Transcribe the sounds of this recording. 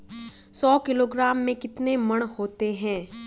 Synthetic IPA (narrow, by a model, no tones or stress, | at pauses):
sɔːkɪloːɡɾaːmːẽkɪt̪nemɐɽ̃hoːt̪eɦɛ̃ː